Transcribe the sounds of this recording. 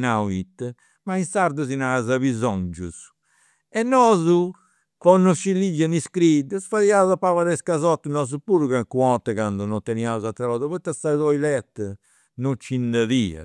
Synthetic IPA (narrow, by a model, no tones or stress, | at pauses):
nawit̪ː | mainsaɾd̪uzinazaβizɔnd͡ʒus | ɛnːɔːzu | kɔnːɔʃilid͡ʒːaniskɾid̪əsfaðiauzapavaðɛskazɔt̪ːnɔzupuɾuɣakuɔt̪ːɛkand̪ɔnɔt̪ːɛniauzat̪ːɾaβaːðuβɛt̪ːasaðɔilɛt̪ː | not͡ʃːind̪aðiːa̰